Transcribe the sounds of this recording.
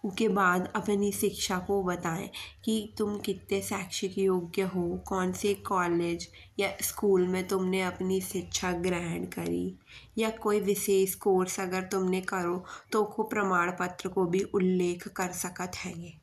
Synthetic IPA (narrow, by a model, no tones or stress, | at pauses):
ʊkebaːd̪ɐpniʃɪkʃakobɐt̪aːḛ̃kit̪ʊmkɪt̪ːesɛːkʃɪkjoːɡjəɦokɔːnsekɔːleːd͡ʒ | jaɪskuːlmẽt̪ʊmneɐpniʃɪkʃʰaɡɾɛːɳɖkɐ̰ɾḭ | jakoːiʋɪʃeːʃkoːɾsɐɡəɾt̪ʊmnekɐɾot̪okʰopɾɐmaːɽpət̪ɾəkobʱiʔʊlːeːkʰːɐɾsɐkət̪ɦɛ̃ːɡeː